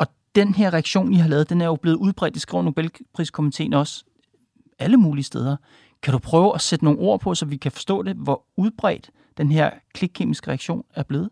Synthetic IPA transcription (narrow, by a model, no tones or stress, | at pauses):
ɒ̽ | d̥enɦeɐʁɛæɡ̥ɕo̝̰ːnihɑ̈lɛːð̞̩ˠd̥enæɐjo̝b̥eð̩ˠuð̞ˠb̥ʁɛ̰ːd̥isɡ̥ʁḭʊ̰no̝b̥elpʰʁḭskʰomit͡sʰe̝̰ːnɒ̽s | æləmuːliəsd̥eːð̞ˠɐ | kʰæɾ̥upʰʁœːʊɒsed̥əno̝ːŋn̩ʔo̝ɐ̰pʰɒ̽sɒ̽ʋikʰæfɒ̥̽sd̥ɔ̰̽ːd̥e̝ʋɒ | uðˠb̥ʁɛ̰ːd̥ː | enɦeɐ̰kʰleɡ̥̚kʰḛːmisɡ̥əʁɛaɡ̥ɕo̝̰ːnæɐb̥le̝ːð̩ˠ